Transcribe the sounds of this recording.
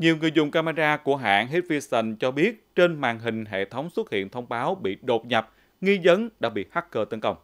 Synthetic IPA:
ɲi˨˩əwŋɨ˨˩jzʊ̰˨˩ŋ͡mkaː˧maː˧ɗaː˧ku˧˩əɦa̰ː˧˩˨nɦi˦˥t̚vi˧sə˧nt͡ɕɔ˧ɓi˦˥ət̚t͡ɕe˧nmaː˨˩nɦï˨˩ŋ̟ɦḛ˧˨t̪ʰə˨˦wŋ͡mswə˦˥t̚hḭ˧˨ənt̪ʰə˧wŋ͡mɓaː˨˦wɓḭ˧˨ɗo˨˩t̚ɲa˨˩p̚ | ŋi˧zə˨˦nɗa̰ː˧˥ɓḭ˧˨ha˦˥k̚kəː˧t̪ə˨˦nkə˧wŋ͡m

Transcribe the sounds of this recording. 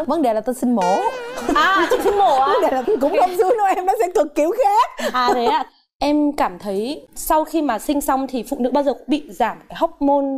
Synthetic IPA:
və˧˦nɗe˨˩laː˨˩t̪o˧jsï˧ŋ̟mɔ˨˦aː˨˧˨t͡ɕʊ˨˧˩sï˧ŋmo˧˩aː˧˨˦ɗe˨˩laː˨˩t̪o˧kʊ̰˧˥ŋ͡mxə˧˩wŋ͡mzu˧˦nɔ˨˦ʔɛ˧mnɔ̰˨˦sɛ̰˧˥kɨ˨˩kkːi˨˦wxɛ˨˧˥aː˨˩ɗe˨˦aː˧˨˩ | ʔɛ˧mkaː˧˩mt̪ʰə˨˦jsa˧wxi˧maː˨˩sï˧ŋ̟sa˧wŋ͡mt̪ʰi˨˩fṵ˧˨nɨ̰˧˥ɓaː˧zə˨˩kʊ̰˧˥ŋ͡mɓḭ˧˨zaː˧˩m˩kaː˨˦ɦɔ˦˥wk͡p̚mo˧n

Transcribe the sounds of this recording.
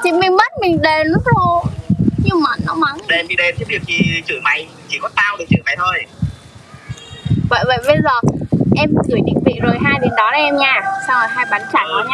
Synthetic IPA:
t͡ɕi˧˩˦mï˨˩ŋmə˦˥t̚mï˨˩ŋ̟ɗe˨˩˨lu˦˥k̚lo˧ɲi˧mə˨˩nːɔ˨˦ma˨˦ŋ˨ɛ˧mɓi˨˦ɗe˧nt̪ʰe˨˦wɗi˨˩ək̚t̪ʰi˨˩t͡ɕɨ̰˧˩˨ma˨˩jt͡ɕḭ˧˩kɔ˨˦t̪aː˧wɗɨ˨˩k̚t͡ɕɨ̰˧˨ma˨˩jt̪ʰo˧j | və̰˧˨jvə̰˧˨jve˧zɔ˨˩ʔɛ˧mkɨ˧˩əjɗḭ˧˨ŋ̟vḭ˧˨zo˨˩jɦaː˧jɗi˨˩nɗɔ˨˦laː˨˩ʔɛ˧mɲaː˧˩sa˧who˨˩jɦaː˧jɓaː˨˦nt͡ɕaː˧˩jkɔ˨˦ɲaː˧˩

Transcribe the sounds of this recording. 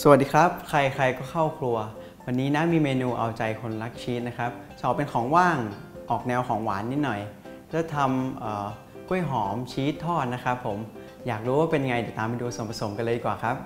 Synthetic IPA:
sa˧˩˨t̪̚diː˧kʰɾa˦˥p̚kʰɾa˧jkʰɾa˧jkɔː˥˩kʰa˥˩wkʰlu˧ɐ | wa˧nːiː˦˥na˦˥miː˧meː˧nuː˧ʔa˧wt͡ɕa˧jkʰo˧nɾa˦˥k̚t͡ɕʰiː˦˥t̪̚na˦˥kʰa˦˥p̚t͡ɕʰɔː˨˩pe˧nkʰɔː˩˦ŋwaː˥˩ŋʔɔː˨˩k̚nɛː˧wkʰɔː˩˦ŋwaː˩˦nːi˦˥t̪̚nɔ˨˩j | lɛː˥˩t̪ʰa˧mʔɤː˨˩ | ku˥˩əjɦɔː˩˦mt͡ɕʰiː˦˥t̪ʰːɔː˥˩t̪̚na˦˥kʰɾa˦˥pʰːo˩˦m | jaː˨˩k̚ɾuː˦˥waː˥˩pe˧nja˧ŋa˧jdɛː˨˩t̪aː˧mpa˧duː˧so˨˩˦mpʰa˧so˩˦mka˧nlɤː˧diː˧kwaː˨˩kʰɾa˦˥p̚

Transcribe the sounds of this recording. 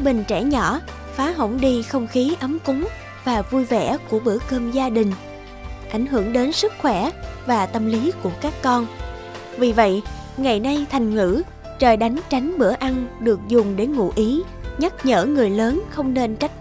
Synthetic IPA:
ɓï˨˩ŋ̟t͡ɕɛ̰˧˩ɲɔ˧˩ | faː˨˦ɦo̰˧˩wŋ͡mɗi˧xə˧wŋ͡mxi˨˦ʔə˨˦mkʊ˨˦ŋ͡m | vaː˨˩vu˧jvɛ̰˧˩˥ku˧˩əɓɨ̰˧˩əkəː˧mzaː˧ɗï˨˩ŋ̟ | ʔa˧˩jŋ̟ɦɨ̰˧˩əŋɗe˨˦nsɨ˦˥k̚xwɛ˧˩vaː˨˩t̪ə˧mli˨˦ku˧˩əkaː˦˥kːɔ˧n | vi˨˩və̰˧˨jʔ | ŋa˨˩jna˧jt̪ʰa˨˩jŋ̟ŋɨ̰˧˥ | t͡ɕəː˨˩jɗa˨˦jŋ̟t͡ɕa˨˦jŋ̟ɓɨ˧˩əʔa˧nɗɨ˨˩ək̚zʊ˨˩ŋ͡mɗe˧˩ŋṵ˧˨ʔi˨˦ | ɲa˦˥t̚ɲə̰ː˧˥ŋɨ˨˩əjləː˨˦nxə˧wŋ͡mne˧nt͡ɕa˦˥jk̟̚

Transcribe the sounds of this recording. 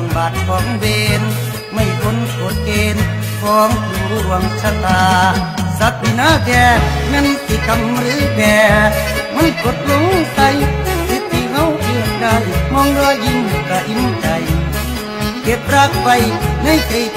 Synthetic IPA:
mbaː˨˩t̪̚kʰɔː˨˦ŋbeː˧n | ma˧˩jkʰo˧˥˨nko˨˦t̪̚keː˧n | kʰɔː˨˦ŋkʰu˧˩ŋɾu˧˩ɾu˧˩əŋsʰa˧t̪aː˧ | sa˧˦t̪̚bi˧˨naː˧˥˨kɛː˧mɛ˧˥˨nsi˧˩ka˧mɾɯː˨˦˥kɛː˧ma˧˥˨jko˨˧˦t̪̚lo˧˥ŋ˧ta˧jsi˧˦t̪̚ʰːi˧ka˧˥˨wʔɯ˧˩əŋka˧jmɔː˧˥ŋɾɔː˧ʔi˧n˨˩ka˨˧˩ʔi˧˥n˧t͡ɕa˨˧j | ke˨˧˩p̚ɾa˧˥k̚pa˧jna˧˥˨jke˨˧˩

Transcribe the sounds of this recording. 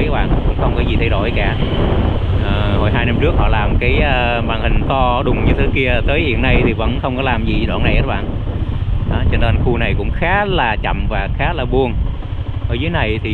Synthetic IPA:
ɓa̰ː˧˨˧kʊ̰˧˥ŋ͡mxə˧wŋ͡mkɔ˨˦zi˨˩t̪ʰa˧jɗo̰˧˩˦jkaː˧˩ | ʔəː˨˩ho˨˩jɦaː˧jna˧mt͡ɕɨ˦˥ək̚hɔ̰˧˨laː˨˩mkaː˨˦jː | maː˨˩ŋhï˨˩ŋ̟t̪ɔ˧ɗʊ˨˩ŋ͡mɲɨ˧t̪ʰe˨˦ki˧ə˨˩t̪əː˨˦jhḭ˧˨ənːa˧jt̪ʰi˨˩və̰˧˥nxə˧wŋ͡mkɔ˨˦laː˨˩mzi˨˩˨ɗa̰ː˧˨na˨˩jʔəː˨˦ɓa̰ː˧˨n | ʔa˨˦t͡ɕe˧nə˧nxu˧na˨˩jkʊ̰˧˥ŋ͡mxaː˨˦˥laː˨˩t͡ɕə̰˧˨mvaː˨˩xaː˨˦˥laː˨˩ɓu˧ən | ʔə̰ː˧˩zəː˨˦jna˨˩jt̪ʰi˨˩

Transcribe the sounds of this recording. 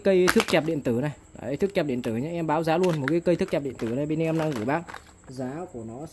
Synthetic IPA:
kə˧jt̪ʰɨ˦˥k̚t͡ɕaː˨˩p̚ɗḭ˧˨ənt̪ɨ˧˩na˨˩jt̪ɨ˦˥k̚t͡ɕa˨˩p̚ɗḭ˧˨ənt̪ɨ˧˩ɲa˧˦ʔɛ˧mɓaː˨˦wzaː˨˦lu˧ənmo˨˩kaː˨˦jkə˧jt̪ʰɨ˦˥k̚t͡ɕa˨˩ɗḭ˧˨ənt̪ɨ˧˩na˨˩jɓi˧nɛ˧ʔɛ˧mna˧ŋɣɨ˧˩jɓaː˦˥k̚ | zaː˨˦ku˧˩ənɔ˨˦

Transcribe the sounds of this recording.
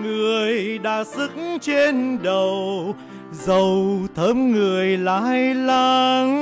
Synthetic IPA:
ŋɨ˨˩əjɗaː˧˩sɨ˦˥k̚ŋt͡ɕe˧nɗə˨˩w | zə˨˩wt̪ʰə˨˦˥mŋɨ˨˩əjlaː˧˦jlaː˧ŋ

